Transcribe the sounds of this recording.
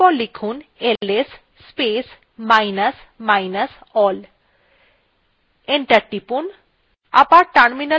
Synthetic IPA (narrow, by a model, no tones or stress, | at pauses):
ɔlikʰunelesː | pes | majnəs | majnəsɔl | eɳʈəʈipun | a̰paʈaɾminə